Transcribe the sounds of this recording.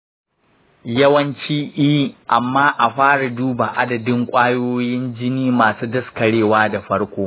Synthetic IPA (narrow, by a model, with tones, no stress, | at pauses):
jɐ˦wɐ˦nt͡ʃiː˦ʔiː˦ʔa˨mːaː˦ʔa˨ɸaː˦ɽa˨duː˦ba˨ʔa˦dɐ˨dɪ˦ŋkʷʼaː˦joː˦jɪ˦nd͡ʒɪ˦niː˦maː˨suː˦dɐ˦skɐ˨ɽeː˦˨waː˦da˨ɸɐ˦ɽkʷoː˦